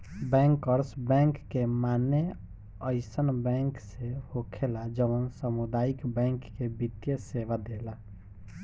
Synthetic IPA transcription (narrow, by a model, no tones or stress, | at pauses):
bɛ̃ŋkəɾsbɛ̃ŋkːemane | əɪsənbɛ̃ŋksehokʰelad͡ʒəʋənsəmud̪aikbɛ̃ŋkːebit̪jəseʋad̪ela